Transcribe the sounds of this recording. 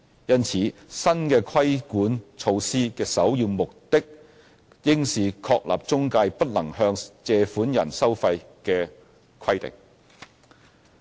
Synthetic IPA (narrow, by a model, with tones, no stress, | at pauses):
jɐ˥nt͡sʰiː˨˥sɐ˥nkɛː˧kʰwɐ˥jkuː˨˥nt͡sʰo˧wsiː˥kɛː˧sɐ˨˥wjyː˧mʊ˨k̚t̪ɪ˥k̚ | jɪ˥ŋsiː˨kʰɔː˧k̚lʔa̰ː˨p̚t͡sʊ˥ŋkaː˧jpɐ˥t̚lɐ˨˩ŋhœː˧ŋt͡sɛː˨˧fuː˨˥njɐ̰˨˩nsɐ˥wfɐ˧j | kɛː˧ | kʰɐ˥jt̪ɪ̰˨ŋ̚